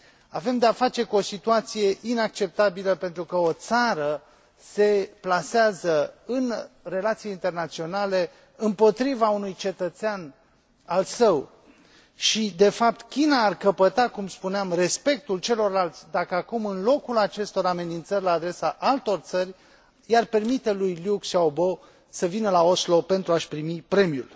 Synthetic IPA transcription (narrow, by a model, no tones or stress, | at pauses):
ave̞md̪eafat͡ʃe̞kuo̞sit̪uat̪sije̞ʔinak̚t͡ʃe̞p̚t̪abiləpe̞nt̪ɾukəo̞t̪saɾə | se̞plaseazəɨnre̞lat̪sijeint̪e̞rnat̪sio̞nale̞ | ɨmpo̞t̪ɾivaunujt͡ʃe̞t̪ət̪sean | alsəw | ʃid̪e̞fap̚t̪kʲinaːrkəpət̪akumspuneamre̞spe̞k̚t̪ult͡ʃe̞lo̞rlalt̪sʲd̪akəakumɨnlo̞kulat͡ʃe̞st̪o̞ɾame̞nint̪sərʲlaːd̪ɾe̞saʔalt̪o̞rt̪sərʲ | jarpe̞rmit̪e̞lujliuksaobo̞ | səvinəlao̞slo̞pe̞nt̪ɾuaʃpɾimipɾe̞mijṵl